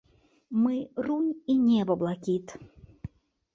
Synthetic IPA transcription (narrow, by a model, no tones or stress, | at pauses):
mɨrunʲinʲɛbɐblˠakʲit̪